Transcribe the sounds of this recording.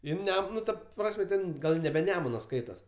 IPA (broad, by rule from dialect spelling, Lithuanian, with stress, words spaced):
ˈjɪn ˈnʲɛm ˈnʊ ˈtɐ ˈprɑːsʲmʲɛ tʲɛn ˈɡɐlʲ nʲɛbʲɛ ˈnʲæːmʊnɐ ˈskɐɪtɐs